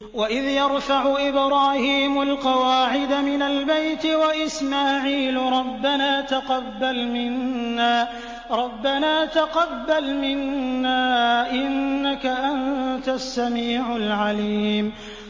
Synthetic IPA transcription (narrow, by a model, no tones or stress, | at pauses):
waʔɪðjɑɾˤfaʕʊʔɪbɾɑːhiːmʊlqɑwaːʕɪd̪amɪnalbajt̪ɪwaʔɪsmaːʕiːlɾˤɑbːanaːt̪aqɑbːalmɪnːaː | ɾˤɑbːanaːt̪aqɑbːalmɪnːaːʔɪnːakaʔant̪asːamiːʕʊlʕaliːm